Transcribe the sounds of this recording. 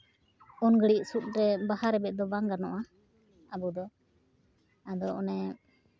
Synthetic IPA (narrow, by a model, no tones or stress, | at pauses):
ɔnɡəɽiʔ̚sut̪̚ɾɛbahaɾɛbɛt̪̚d̪ɔbaŋɡaɾnɔʔa | abud̪ɔ | ad̪ɔʔɔnɛ